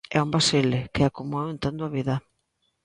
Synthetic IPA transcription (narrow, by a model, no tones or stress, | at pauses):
ɛumbaselɪkɪakomuawẽnt̪ond̪oaβiðɐ